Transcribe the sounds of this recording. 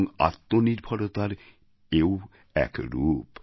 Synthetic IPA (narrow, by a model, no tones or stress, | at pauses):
ŋa̰t̪ːoniɾbʱɔɽot̪aɾ | ew | ɛ̰kɾup